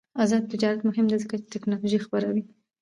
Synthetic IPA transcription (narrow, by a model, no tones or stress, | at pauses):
azɑd̪̚t̪ɪd͡ʒɑɾat̪mʊhɪmd̪ezəkat͡ʃt̪ɪknɑloʒixabəɾawi